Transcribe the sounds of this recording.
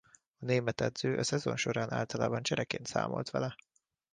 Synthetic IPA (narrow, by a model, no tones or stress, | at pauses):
ɒneːmɛt̪ɛd̪z̥øːʔɒsɛzo̞̰nʃo̞ɾaːnaːlt̪ɒlaːbɒnt͡ʃɛɾɛkeːnt̪sa̰ːmo̞̰lt̪ʋɛlɛ